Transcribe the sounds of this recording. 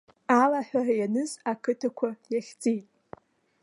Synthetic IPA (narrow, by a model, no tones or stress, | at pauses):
alaħʷᶣarajanɨzakʰɨtʰakʷʰajaχʲt͡sʼijtʼ